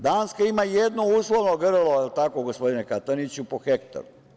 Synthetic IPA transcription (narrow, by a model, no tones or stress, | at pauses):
d̪aːnskaimajed̪nouslˠoʋnoɡrloelt̪akoɡospo̞d̪inekat̪onit͡ɕupoxekt̪a̰ɾu